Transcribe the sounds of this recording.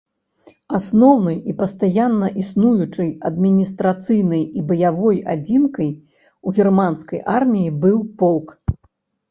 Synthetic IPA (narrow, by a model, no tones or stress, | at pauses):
asnɔwnɨjipɐst̪ajanːɐʔisnujut͡ʂɨjɐd̪̚mʲinʲist̪ɾat̪sɨjnɐjibɐjavɔja̰d͡zʲinkɐj | uɣʲirmanskɐjʔarmʲijibɨwpɔlˠk